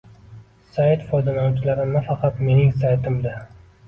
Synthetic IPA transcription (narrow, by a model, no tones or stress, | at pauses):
sajt̪fojd̪alat͡ʃʰɪlaɾɪnafɑqʰɑt̪me̞nɪŋsajt̪ʰɪmd̪a